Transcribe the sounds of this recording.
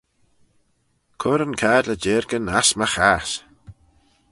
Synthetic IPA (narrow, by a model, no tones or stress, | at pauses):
kʰʊɾənkʰaːdləd͡ʒeːɾɡənasmaxaːs